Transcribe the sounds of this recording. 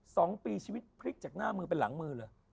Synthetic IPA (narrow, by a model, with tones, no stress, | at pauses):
sɔː˩˦ŋpiː˧t͡ɕʰiː˧wi˦˥t̪̚pʰɾi˦˥k̚t͡ɕaː˨˩k̚naː˥˩mɯː˧pe˧nla̰˩˦ŋmɯː˧lɤː˧j